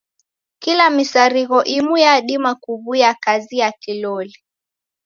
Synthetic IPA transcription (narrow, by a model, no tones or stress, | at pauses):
kilamisaɾiɣɔʔimujaɗimakuβujakazijakilɔli